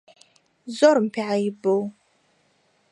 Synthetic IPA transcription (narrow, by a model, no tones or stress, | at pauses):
zɔɾm̩pʰiʕajbow